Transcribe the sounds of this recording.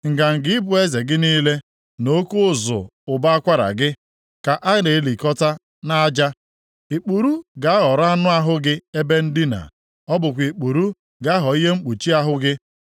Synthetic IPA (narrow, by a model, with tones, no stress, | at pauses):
ŋ̩˨ɡa˨ŋ̩˨ɡɪ˦ɪ˦bʊ˦e˦ze˨ɡɪ˦niː˦le˦ | no˦ku˦ʊ˦˨zʊ̰˨ʊ˨ba˦a˦kʷa˦ɾa̰˨ɡɪ˦ | ka˨ʔa˦ne˨˦li˨kɔ˦ta˦ | na˦d͡ʒa˦ | i˨k͡pu˨ɾu˦ɡa˨˦a˦ɦɔ˨ɾa˦nʊ˦a˦ɦʊ˦ɡɪ˦e˦be˦n̩˦di˦na̰˨ | ɔ˦bʊ˨kʷi˨k͡pu˨ɾu˦ | ɡa˨˦a˦ɦɔ˨i˦ɦe˦ŋ͡m̩˦k͡pu˨t͡ʃi˦a˦ɦʊ˦ɡɪ˦